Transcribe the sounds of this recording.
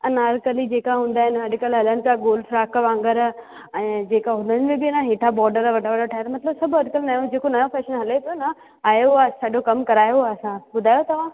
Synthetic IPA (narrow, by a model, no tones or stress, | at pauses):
ɐnaːɾkəlid͡ʑeːkaɦũːn̆d̪aːɦɪnɪɐɖɪkəlɦɐlənɪ̆t͡ɕaɡoːlfɾaːkʋãːŋɡəɾ | ɛ̃ːd͡ʑeːkaɦʊnənɪ̆mẽbɪnaɦeːʈʰabɔːɾɖəɾʋɐʈʰaʋɐɽoʈʰaːet̪ɐmɐt̪ɪləbsɐbʱɐɖkəlnaːjõd͡ʑeːkonɐjõfʰɛːʃənɦɐlep̪ʰona | aːjeasãd͡ʑokɐmkɐɾaːjoaɐsãbʊd̪ʱaːjot̪ɐʋ̤ã